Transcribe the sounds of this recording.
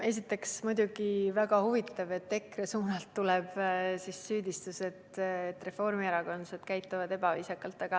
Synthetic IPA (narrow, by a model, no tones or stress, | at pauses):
e̞s̬it̪ːˑe̞ksmujd̪̥ʲuɡ̥ivæɡɑhuvit̪ːˑɑve̞t̪ːe̞kresuːnɑlt̪ːulɛb̥sisːyːd̪ist̪use̞t̪et̪ːˑre̞fo̞rmieɾɑɡo̞nsed̪̥kæjt̪ːˑuvɑd̪e̞bɑviːsɑkːˑɑlt̪ːˑɑɡ̥ɑ